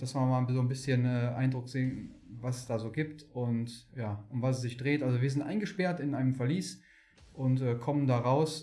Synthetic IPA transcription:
d̥asv̥aːmaːlnzoːnbɪsçənɛːʔa̰ɪndʁʊkz̥eːnvasɛsd̥aːzoːɡiːptʊntjaːʔʊmvasɛs̬z̥ɪçd̥ʁeːtʔalzoviɐzɪntʔa̰ɪnɡəʃpɛɐtɪnʔaɪnəmfɛɐliːs | ʔʊntɛːkʰɔməndaːʁaʊs

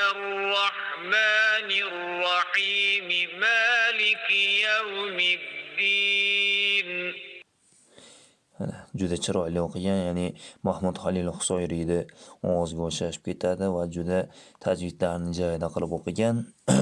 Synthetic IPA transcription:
arːɑħmaːnɪrːɑħiːmɪmaːlɪkjawmɪd̪ːiː | n | d͡ʒʊd̪at͡ʃʰɪɾɒjlɪoqʰɨɡʲanjaːnɪmahmud̪halɪlhʊ̥sɒjɾɪd̪ɪɒwɒzɡʲaoʃaʃɪ̥p̚kʲʰe̞t̪ʰad̪ɪvad͡ʒʊd̪at̪ʰad͡ʒwɪd̪laɾnɪd͡ʒaɪd̪aqʰɨlˠɪpoqʰɨɡʲan

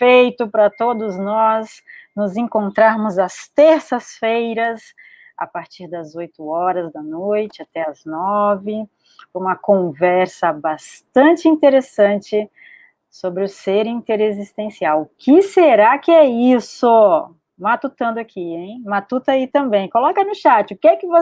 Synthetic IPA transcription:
fejt̪ʊpɾɐt̪od̪ʊznɔs | nʊzẽŋkõnt̪ɾaɾmʊzɐst̪eɾsɐsfejɾɐs | a̰paɾt͡ʃiɾd̪ɐzojt̪ʊɔɾɐzd̪ɐnojt͡ʃɪat̪ɛɐznɔvɪ | ũmɐkõvɛɾsɐbast̪ɐ̃t͡ʃɪĩnt̪eɾesɐ̃t͡ʃɪ | sobɾɪʊseɾĩnt̪eɾezist̪ẽsiawʊkɪseɾakɪɛisʊ | mat̪ut̪ɐ̃nd̪ʊakʰiẽj̃mat̪ut̪ɐit̪ɐ̃mbẽj̃kolɔkɐnʊʃat͡ʃɪʊkɪɛkɪvo

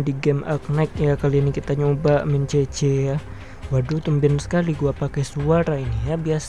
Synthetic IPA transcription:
diɡɛmak̚nɛk̚jakalianikit̪aɲobamɛnt͡ʃet͡ʃeja | wadut̪umbɪnsə̥kaliɡuapakɛsuaɾainijabias

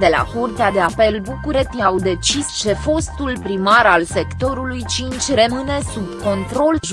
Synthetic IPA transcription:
d̪e̞la̰kurt̪ead̪e̞ape̞lbukuɾet̪iawd̪e̞t͡ʃist͡ʃe̞fo̞st̪ulpɾimaɾalse̞kt̪o̞ɾulujt͡ʃint͡ʃʲrəmɨne̞subko̞nt̪ɾo̞l

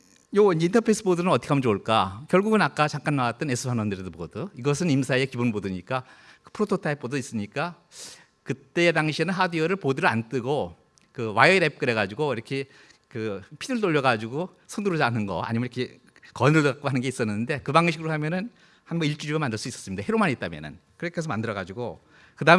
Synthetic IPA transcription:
joind͡ʑintʰʌpʰes͈ʰɯbodunɯnʌt͈ʌkʰeamʌnt͡ɕoɭk͈akjʌɭɡuɡɯnak͈at͡ɕaŋk͈anːawat̚t͈ʌne̞sʰɯpʰanwʌndɯɾidopoʌdɯiɡʌsʰɯnimsʰaekibonbodɯɲik͈akɯ̥pʰɾotʰotʰaip̚p͈odois͈ɯɲik͈a | kɯt͈e̞ːdaŋɕʰinɯnɦadiʌɾɯɭpodɯɾɯɭant͈ɯɡo | kɯwaʌiɾep̚k͈ɯɾe̞ɡad͡ʑiɡoiɾʌkʰe | kɯpʰiɾɯɭt͈oʎːʌɡad͡ʑuɡo | sʰʌnduɾɯd͡ʑanɯnɡʌa̰ɲimʌniʌkʰe | kʌnɯɭtɯkak͈oɦanɯnŋɡeis͈ʌnːɯnnde̞kɯbaŋɕ̬ʰiɡɯɾoɦamjʌnɯn | hanbʌiɭt͡ɕ͈ud͡ʑiɡamandɯɭs͈uis͈ʌ̥s͈ɯmidaheɾomanit̚t͈amjʌ̰nɯ̰nkɯɾʌkʰes̬ʰʌmandɯɾʌɣad͡ʑiɡo | kɯdaɯ

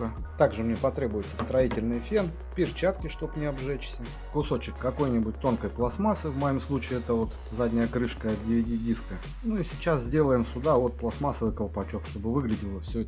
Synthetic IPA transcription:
ət̪aɡʐɨmnʲepɐt̪ɾʲe̞bʊjɪt̪sə̥st̪ɾɐitʲɪlʲnɨjfʲen | pʲɪrt͡ɕat̪kʲɪʂt̪o̞pnʲɪɐbʐɛt͡ɕsʲə | kʊso̞t͡ɕɪkːɐko̞jnʲɪbʊtʲt̪o̞nkəjplˠɐsmasɨvmɐjimslˠut͡ɕɪːɛt̪əvo̞t̪ | zadʲnʲɪjəkɾɨʂkəɐt̪̚dʲɪɪdʲidʲiskə | nuisʲɪt͡ɕaszʲdʲelˠəjɪmsʊd̪avo̞t̪̚plˠɐsmasəvɨjkəlˠpɐt͡ɕo̞kʂt̪o̞bɨvɨɡlʲɪdʲɪlˠəfsʲɵ

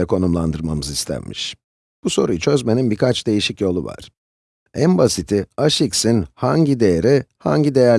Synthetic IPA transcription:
ɛkʰo̞numlˠand̪ɯɾmamɯzist̪ʰæ̰nmḭʃ | b̥uso̞ɾujt͡ʃʰø̞zme̞ninbikʰat͡ʃd̪e̞jiʃicjo̞lˠuva̰ɾ̥ | æmbasit̪ʰiaʃiksinhaɲɟid̪e̞jeɾiha̰ɲɟid̪e̞jæɾ

